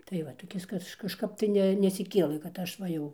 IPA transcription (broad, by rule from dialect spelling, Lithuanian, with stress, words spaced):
tɐɪ ˈʋɐt toːˈkʲɪs ˈkɐʃ kɐʃˈkɐp tɐɪ ˈnʲɛ nʲɛsʲɪˈkʲeːlˠɘ kɐt ˈɐʃ ˈʋɐ jɛʊ